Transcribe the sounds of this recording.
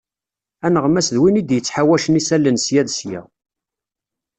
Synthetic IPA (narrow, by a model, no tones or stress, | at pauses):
ænəʁmæsðwinid̪jət͡sːħawæʃənisælːənsjæðsjæ̰